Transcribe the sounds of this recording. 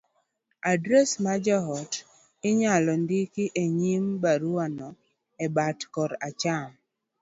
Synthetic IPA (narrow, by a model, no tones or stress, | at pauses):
adɾɛsmad͡ʒaɦɔt | ɪɲalɔndikiʔeɲimbaɾuanɔ | ɛbatkɔɾat͡ʃam